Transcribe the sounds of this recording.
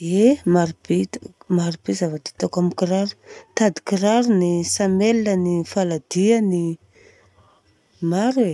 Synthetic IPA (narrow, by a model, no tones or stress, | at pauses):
emaɾub̥et̪maɾub̥ezavad̪it̪akamikiɾaɾu̥t̪ad̪i̥kiɾaɾunisamelnənifalad̪iani | maɾe